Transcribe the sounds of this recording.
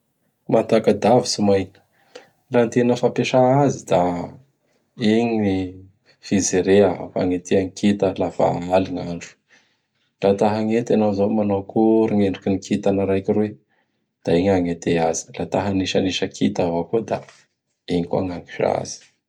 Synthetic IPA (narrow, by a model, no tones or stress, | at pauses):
mant̪akəd̪avi̥simajnə̥ | lant̪enəfapeʂaazid̪a | iɲini | fizeɾeafa̰ŋet̪eaŋikit̪əlafa̰aliŋaɳɖ͡ʐu̥ | lat̪aɦaŋet̪anawzamanawkuɾuŋeɳɖ͡ʐukinikʰit̪anaɾajkiɾwe | d̪̥aiɲaŋet̪eazi̥lat̪aɦaniʃaniʃəkʰit̪avakod̪a̰ | iɲikuaŋaŋɡi̥ʃa̰z̥i̥